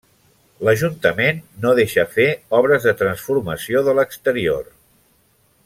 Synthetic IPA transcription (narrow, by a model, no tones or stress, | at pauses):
ləʒunt̪əmenːoðeʃəfeɔβ̞ɾəzðət̪ɾənsfuɾməsioðələkst̪əɾio̰r